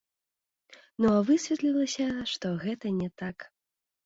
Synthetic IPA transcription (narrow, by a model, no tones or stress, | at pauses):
nuavɨsʲvʲɛt̪lʲilˠɐsʲɐʂt̪ɔɣɛt̪ɐnʲɛt̪ak